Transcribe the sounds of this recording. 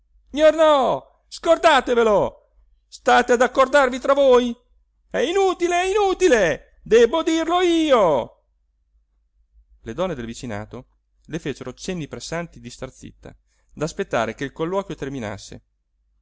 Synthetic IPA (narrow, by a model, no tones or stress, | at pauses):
sɲornɔ | skord̪aːt̪evelo | st̪aːt̪ead̪akːord̪arvit̪ɾavoj | ɛinuːt̪ileɛinuːt̪ile | d̪ɛbod̪irloiːo | led̪ɔnːed̪elvit͡ʃina̰ːt̪o | lefeːt͡ʃeɾot͡ʃenːipɾesant̪id̪ist̪art̪sḭt̪ːa̰ | d̪aspet̪ːa̰ːɾekeilkolːɔːkjot̪ermina̰sːḛ